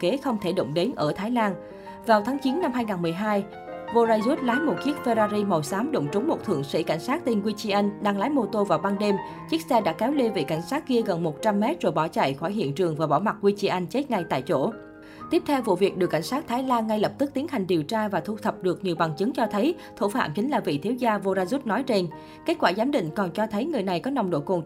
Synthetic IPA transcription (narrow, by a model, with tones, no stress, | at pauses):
ke˨˦xə˧wŋ͡mt̪ʰe˧˩ɗo̰˧˨wŋ͡mɗe˨˦nʔəː˧˩t̪ʰaː˨˦jlaː˧n | vaː˨˩wt̪ʰaː˨˦ŋt͡ɕi˨˦nːa˧mɦaː˧jŋaː˨˩nmɨ˨˩əjɦaː˧j | vo˧zaː˧jzu˦˥t̚laː˨˦jmo˨˩t̚ki˦˥ək̚fe˧zaː˧zi˧mə˨˩wsaː˨˦mɗo̰˧˨wŋ͡mt͡ɕʊ˨˦ŋ͡mmo˨˩t̚t̪ʰɨ̰˧˩əŋsḭ˧˥ka˧˩jŋ̟saː˦˥k̚t̪i˧nkwi˧t͡ɕi˧ʔa˧ŋɗaː˧ŋlaː˨˦jmo˧t̪o˧vaː˨˩wɓaː˧nɗe˧m | t͡ɕi˦˥ək̚sɛ˧ɗa̰ː˧˥kɛ˨˦wle˧ve˨˩ka˧˩jŋ̟saː˦˥t̚ki˧əɣə˨˩nmo˨˩t̚t͡ɕa˧mːɛ˦˥t̚t͡ɕo˧˩jɓɔ˧˩t͡ɕa̰˧˩˨jxwɔː˧˩jɦḭ˧˨ənt͡ɕɨ˨˩əŋvaː˨˩ɓɔ̰˧˩ma˨˩k̚kwi˧t͡ɕi˧ʔa˧jŋ̟t͡ɕe˦˥t̚ŋa˧jt̪a̰ː˧˨jt͡ɕo̰˧˩ | t̪i˦˥p̚t̪ʰɛ˧wvṵ˧˨vi˨˩ək̚ɗɨ˨˩əkːa˧˩ŋ̟saː˦˥k̚t̪ʰaː˨˦jlaː˧ŋːa˧jlə˨˩p̚t̪ɨ˦˥k̚t̪i˨˦ənɦa˨˩jŋ̟ɗi˨˩əwt͡ɕaː˧vaː˨˩t̪ʰu˧t̪ʰə˨˩p̚ɗɨ˨˩ək̚ɲi˨˩wɓa˨˩ŋt͡ɕɨ˨˦ŋt͡ɕɔ˧t̪ʰə˨˦j | t̪ʰu˧˩fa̰ː˧˨mt͡ɕï˨˦ŋ̟laː˨˩vḭ˧˨t̪ʰi˨˦wzaː˧vo˧zaː˧zu˦˥t̚nɔ˨˦jt͡ɕe˧n | ke˦˥t̚kwaː˧˩zaː˨˦mɗḭ̈˧˨ŋ̟kɔ˨˩nt͡ɕɔ˧t̪ʰə˨˦jŋɨ˨˩əjna˨˩jkɔ˨˦nɔ˨˩wŋ͡mɗo̰˧˨jkʊ˨˩ŋ